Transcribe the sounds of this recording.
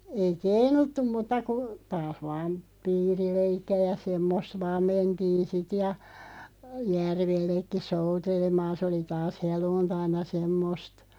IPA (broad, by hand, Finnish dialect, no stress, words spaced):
ei keinutːum mutːɑ ku tɑːh ʋɑːm piːrileikːiæ jɑ semːost̆ ʋɑːm mentiːn̞ sit jɑ jærʋelːekːi soutelemɑːn̞ sĕ oli tɑːs heluːntɑinɑ semːost